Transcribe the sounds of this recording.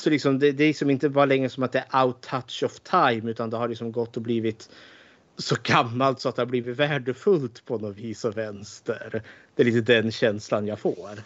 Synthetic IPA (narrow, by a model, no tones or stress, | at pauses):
sɔlɪksɔmd̪ɛd̪ɛlɪksɔmɪnt̪əbɑːɾalɛŋɾəsɔmat̪̚d̪ɛæɾʔaʊt̪ʰːat̪ʂɔft̪ʰajmʉ̟ːt̪and̪ɛhaɾɭɪksɔmɡɔt̪ːɔbliːvɪt̪ | sɔɡamːalt̪sɔat̪d̪ɛhaɾbliːvɪt̪væːɖəfɵlt̪pʰɔnɔviːsɔvɛnst̪ə̰ɾd̪̥ɛɭiːt̪əd̪ɛnɕɛnslanjafoːɾ